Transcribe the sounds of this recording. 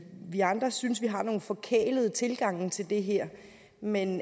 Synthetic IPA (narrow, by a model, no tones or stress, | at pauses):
ʋiɑ̈nd̥ʁɐsynsʋiɦɑ̈no̝ːn̩fɒ̽kʰḛːləð̞ˠət͡sʰe̝lɡ̥ɑ̈ŋ̰nt͡sʰe̝ld̥e̝ɦeɐ̰ | men